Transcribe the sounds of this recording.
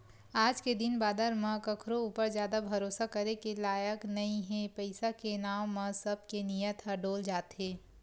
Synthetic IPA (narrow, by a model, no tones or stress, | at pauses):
aːd͡ʒked̪ɪnbaːd̪əɾmãkɐkʰɾouːpəɾzjaːd̪abʱɐɾoːsakɐɾekelaːjəknɐĩɦɛ̃pəɪsakenaːmãsɐb̚kenijət̪ɦɐɖoːld͡ʒaːt̪ɦẽː